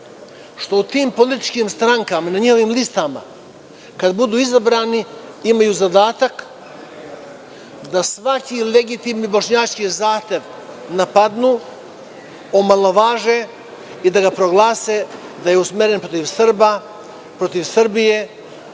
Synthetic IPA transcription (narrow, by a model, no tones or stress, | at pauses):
ʃt̪o̞ut̪iːmpo̞lit̪i̥t͡ʃkimst̪ɾaŋkamanaɲiho̞ʋiːmlist̪ama̰ | kad̪bud̪uːizabɾaːni | imajuːzad̪aːt̪ak | d̪asʋakile̞ɡit̪imnibo̞ʃɲaːt͡ʃkizaːxt̪e̞ʋ | napad̪nuː | omalˠoʋaːʒe | id̪aɡapɾo̞ɡlˠaːsed̪aje̞usmeɾenpɾo̞t̪iʋsr̩ba | pɾo̞t̪iʋsr̩bije